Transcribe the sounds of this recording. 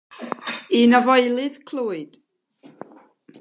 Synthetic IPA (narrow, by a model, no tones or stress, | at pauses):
inəvɔɨlˠɨðkʰlˠuːɨd̥